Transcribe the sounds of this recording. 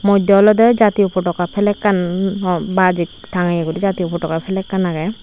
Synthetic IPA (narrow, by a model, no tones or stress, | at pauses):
mɔd̪ɔlɔd̪ɛd͡ʒat̪iupɔʈɔkapʰɛlɛkːanɔbad͡ʒik̚ | tʰaŋajaɡudid͡ʒat̪iupɔʈɔkapʰɛlɛkːanaɡɛ